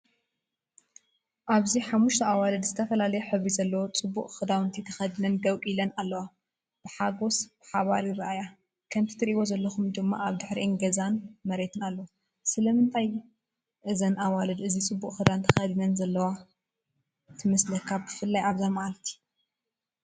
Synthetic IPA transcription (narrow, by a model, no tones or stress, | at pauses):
ʔaβziħamːuʃt̪ʰɐawalɐd̪zɨt̪ʰɐfɐlalɐjeħɨβɾizɐlːɐwot͡sʼɨbːuʔʼxɨd̪awɨnt̪ʰit̪ʰɐxɐd̪ɨnɐnd̪ɐwkʼilɐnalːɐwa | b̥ɨħaɡo̞sb̥ɨħaβaɾjɪɾaʔaja | kʰɐmt̪ʰɨ̥t̪ʰɨɾʔiβo̞zɐlːɐxumd̪ɨmːa̰ʔaβd̪ɨħɾiʔnɡɐzanmɐɾet̪ʰɨnalːɐ | sɨlɐmɨnt̪ʰaj | ʔɨzɐnʔawalɐd̪ʔɨzit͡sʼɨbːuʔʼxɨd̪ant̪ʰɐxɐd̪inɐnzɐlːɐwa | t̪ʰɨmɐslɐkʰːabɨfɨlːajaβzamaʔlt̪ʰi̥